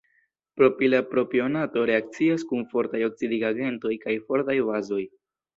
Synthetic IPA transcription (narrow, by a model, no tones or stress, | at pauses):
pɾo̞pilapɾo̞pio̞nato̞ɾe̞ak̚t͡siaskunfo̞ɾtajo̞k̚t͡sidiɡaɡe̞nto̞jkajfo̞ɾtajvazo̞j